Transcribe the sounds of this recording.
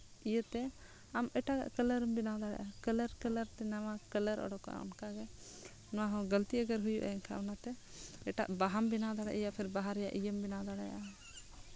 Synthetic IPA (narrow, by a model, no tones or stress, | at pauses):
ijət̪ɛ | amɛʈaɡa̰ʔkələɾəmbinad̪aɽɛ̰jʔakələɾkələɾt̪ɛnawakələɾʔɔ̰ɖɔka̰ɔ̰nkaɡɛ | nɔwaɦɔ̃ɡəlt̪iəɡəɾɦujuʔa̰ɛnkʰa̰ʔɔnat̪ɛ | ɛʈa̰ʔbaɦambinad̪aɽɛ̰ʔjapʰɛɾbaɦaɾɛjaʔijəmbinad̪aɽɛ̰jʔa